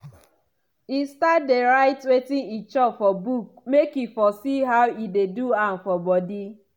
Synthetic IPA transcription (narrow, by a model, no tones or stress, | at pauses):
istat̚deɾaɪtwetɪ̃ŋit͡ʃɔpfɔbuk̚mekifɔsiɦaʊideduan̩fɔbɔdi